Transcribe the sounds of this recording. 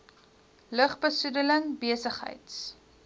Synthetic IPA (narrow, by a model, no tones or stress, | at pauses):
ləχbəsudələŋbiəsəχɦə̰jts